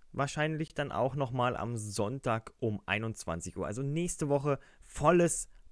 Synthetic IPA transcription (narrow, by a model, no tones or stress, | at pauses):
vaːɐʃaɪnlɪçd̥anʔa̰ʊxnɔχmaːlʔa̰mzɔntaːkʔʊmʔa̰ɪnʊnt͡sv̥a̰nt͡sɪçʔuːɐʔalzonɛːçstəvɔχəfɔləs